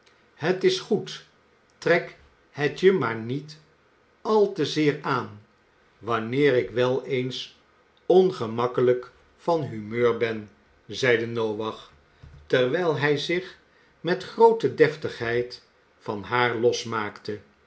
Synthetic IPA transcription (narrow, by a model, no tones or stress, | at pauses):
ɦətɪsχut | trɛk | ɦətjəmaːɹnit | ɑlˠtəzɪːɹaːn | ʋɑnɪːɾɪkʋɛlˠejns | ɔnχəmɑkələk | fɑnɦymøːɹbɛn | zɛjdənowʋɑχ | təɹʋɛjlˠɦɛjzɪχ | mɛtχrowtədɛftəχɦɛjt | fɑnɦaːɹlɔsmaːktə